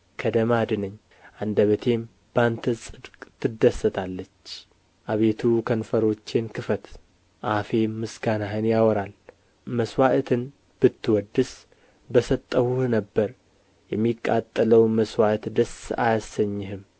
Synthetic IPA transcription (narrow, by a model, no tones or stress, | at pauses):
kʰəd̪əmad̪ɨnɨɲː | ʔand̪əβət̪ʰe̞m | b̥ant̪ʰəsʼɨd̪kʼt̪ʰɨd̪əsːət̪ʰalːət͡ʃː | ʔaβe̞t̪ʰukʰənfəɾo̞t͡ʃːenkɨfət̪ | ʔafe̞mɨsɡanaɦɨnjawɔɾal | məswaʔt̪ʰɨn | b̥ɨt̪ːɨwɔd̪ːɨs | bəsət̪ʼːəhuhnəbːəɾ | jɛmːikʼːa̰t̪ʼːələwməswat̪d̪əsa̰jasːəɲːɪɦɨm